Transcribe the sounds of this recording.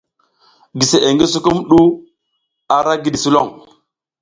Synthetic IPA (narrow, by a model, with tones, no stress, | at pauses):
ɡi˨se˨e˨ŋɡi˦su˦ku˦mɗu˦ | a˨ɾa˦ɡi˦ɗi˨su˦lo̰˦˨ŋ